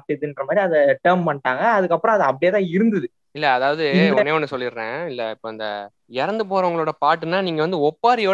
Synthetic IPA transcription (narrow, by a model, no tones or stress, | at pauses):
ʈ̪ːɪðɯɪndɾɐmaːðɾiɐðɐʈɐɾmpɐɳʈaːŋɡɐːðɯkːɐpːɾɔ̃ɐðɯɐp̬ːɐɽɪjɐt̪ãːɪɾɯnd̪ɐðɯ | ɪlːɛːðaːʋɐðɯneɔnːɯsɔlːɪɾɾẽːɪlːɛɪpːoːɐnd̪ɐ̰ | ɛɾɐnd̪ɯp̬oːɾɐʊŋɡɐɭoːɽɐpaːʈːɯnaːniːŋɡɐʋɐnd̪ɯɔpːaːɾɪjoː